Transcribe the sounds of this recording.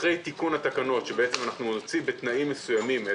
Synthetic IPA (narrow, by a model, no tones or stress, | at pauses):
ʁe̞jt̪ikunhat̪akano̞tʃebeet͡semanaχnunot͡sibe̞t̪naimːesujamime